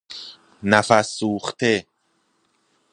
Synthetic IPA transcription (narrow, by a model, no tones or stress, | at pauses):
næfasːuːχt̪ʰe